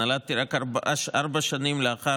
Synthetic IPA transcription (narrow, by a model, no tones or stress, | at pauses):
alat̪iɾakabaʔaʃaɾbaʃanimleaχa